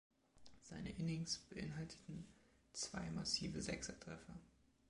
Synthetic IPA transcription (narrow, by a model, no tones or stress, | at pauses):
z̥aɪnəʔɪnɪŋsb̥əʔɪnɦaltʰə̥tn̩t͡sv̥a̰ɪmasiːvəzɛksɛtʁ̥ɛfɐ